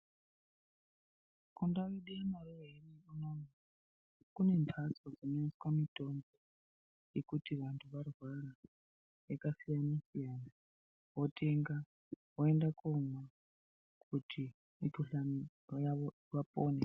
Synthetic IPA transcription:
kundawiɗianarɛɦenikɔnɔna | kunɛnpʰat͡swad͡zinaiskwamitʼɔmbɔ | jekutʰiβantʰuβarwaɾa | ɛkasijanasijaːna | wɔtʼeŋɡa | wɔɛndakɔma | kʰʼutʰi | mipʰuɬani | jaβɔ | βapʼɔːnɛ

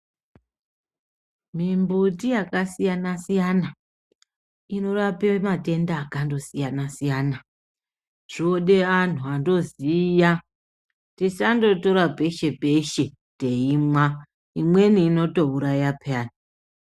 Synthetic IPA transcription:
mimbutijakasijanasijana | ino̞rapemate̞ndaːkando̞sijanasijaːna | t͡ʃioɗe̞an̤uando̞zija | tisando̞to̞ɾape̞ʃe̞pe̞ʃe | te̞imwa | imwe̞niːno̞to̞uɾajapaːni

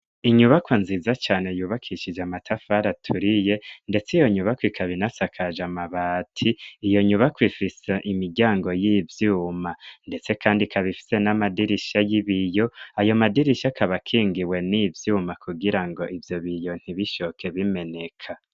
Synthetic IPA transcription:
iɲuβakwanzizat͡ʃaːne̞juːβakʰiʃid͡ʒeamatʰafaɾatʰuɾije̞nde̞t͡sijo̞ɲuβakwikʰaβinasakʰaʒamaβaːtʰiːjo̞ɲuβakwifiseʔimiɾɡɟaːŋɡo̞jivjuːmande̞t͡se̞kaːndikʰaβifi̥se̞namadiɾiʃajiβijo̞ajo̞madiɾiʃakaβakʰiːŋɡiwe̞nivjuːmakuɡiɾaŋɡo̞ʔivjo̞βijo̞n̥hiβiʃokʰe̞βime̞ne̞kʰa

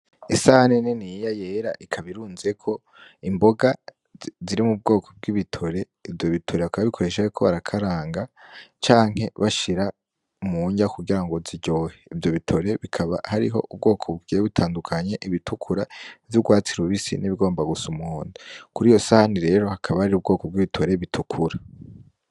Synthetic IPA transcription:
isahanenenijaje̞ɾaʔikʰaβiɾuːnzekʰo̞ | imbo̞ɡa | ziɾimub̚ɡo̞ːkʰo̞̥b̚ɡiβitʰo̞ɾe̞ | ivjo̞βitʰo̞ɾeβakaβaβikʰoɾe̞ʃakʰoβaɾakʰaɾaːŋɡat͡ʃaːŋ̥he̞βaʃiɾa | muɲakuɡiɾaŋɡo̞ziɟo̞ːheivjo̞βitʰo̞ɾe̞βikʰaβa̰haɾiɦo̞ʔub̚ɡo̞ːkʰo̞βuɡiβitʰaːndukʰaɲe̞ʔiβitʰukʰuɾavjuɡwaːt͡siɾuβisḭniβiɡo̞ːmbaɡusumuhoːndukuɾiːjo̞sahaniɾe̞ːɾo̞hakʰaβahaɾiɾub̚ɡo̞ːkob̚ɡiβitʰo̞ɾe̞βitʰukʰuɾa

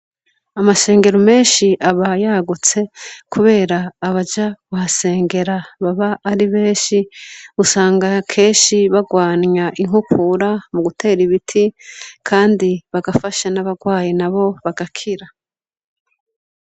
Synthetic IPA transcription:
amaʃe̞ːŋɡe̞ɾome̞ːnʃiʔaβajaɡut͡se̞kʰuβe̞ːɾaːβad͡ʒaɡuhase̞ːŋɡe̞ɾaβaβaʔːɾiβe̞ːnʃiusaːŋɡakʰe̞ːnʃiβaɡwaːnɲaʔiŋ̥hukʰuɾamuɡutʰe̞ːɾiβitʰikʰaːndiβaɡafaʃanaβaɡwaːjenaβo̞βaɡakʰiɾa

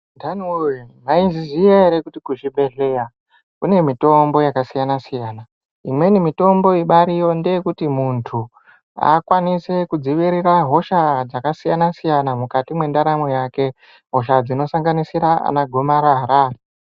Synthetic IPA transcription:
dʱanunaizizijaɦeɾekutikuʐibʱe̞ɮe̞ja | kune̞mito̞mbo̞jakasijanasijaːna | imwe̞nimito̞mbo̞iɓaɾijo̞ndejekutimuntʰu | a̰kwanise̞kud͡ziʋiɾiraɦo̞ʃad͡zakasijanasijanamukatimwe̞ndaɾamojake̞ | ɦo̞ʃ̬ad͡zino̞saŋɡanisiɾaa̰naɡʱo̞maɾaɾa

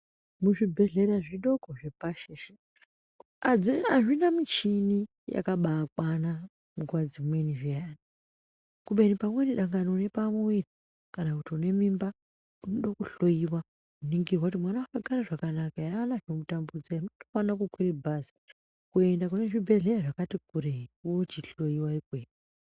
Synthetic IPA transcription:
muʐibʱe̞ɮe̞ɾaʐiɗo̞ko̞ʐepaʃeʃe | iaʐinamit͡ʃini | ja̰kaɓaːkwana | muɡwad͡zimwe̞niʐiani | kuɓe̞nipamwe̞niɗaŋɡanoune̞pamuiti | kanakutiune̞mimba | unoɗakuɬo̞iwa | uniŋɡirwakutimwanawakaɡʱaɾaʐakanakaeɾaanaʐomutambud͡zainotofanakukwiribʱazi̥ | kue̞ndakuneʐibʱe̞ɮeaʐakatikureiuot͡ʃiɬo̞iwaikweːni

